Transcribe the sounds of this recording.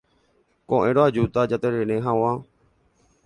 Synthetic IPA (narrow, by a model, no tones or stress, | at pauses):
kõʔẽɾoad͡ʒut̪ad͡ʒat̪eɾeɾẽɦãw̃ã